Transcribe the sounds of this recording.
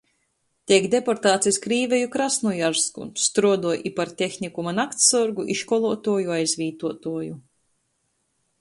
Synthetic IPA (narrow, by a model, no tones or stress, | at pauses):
t̪ʲiɛkd̪epɔɾt̪aːt̪siskɾiːvʲejukɾasnujaɾskṵst̪ɾuɔd̪uɔjʔipaɾt̪ʲexnikumanakt̪sɔɾɡuʔiʃkɔlˠuɔt̪uɔjuajzvʲiːt̪uɔt̪uɔju